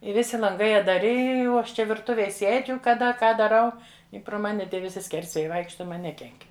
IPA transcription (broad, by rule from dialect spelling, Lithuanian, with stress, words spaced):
ɪ ˈʋʲɪsʲɪ lˠɐŋˈɡɐɪ ɐddɐˈrʲɪ ɪ oː ˈɐʃ ˈt͡ʃʲɛ ʋʲɪrˈtʊʋʲeːj ˈsʲeːd͡ʒʲʊ kɐˈdɐ ˈkɑː dɐˈrɐʊ ɪ proː ˈmɑːnʲɪ ˈtʲiɛ ʋʲɪˈsʲɪ ˈsʲkʲɛrʲsʲʋʲeːjɛɪ ˈʋɐɪkʃtɐ ˈmɐn ˈnʲæːkʲɛŋʲkʲ